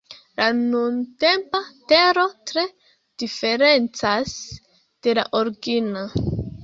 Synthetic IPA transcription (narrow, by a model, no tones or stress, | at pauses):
lanunte̞mpateɾo̞tɾe̞ | d̥ife̞ɾe̞nt͡sas | d̥e̞la̰ʔoɾɡino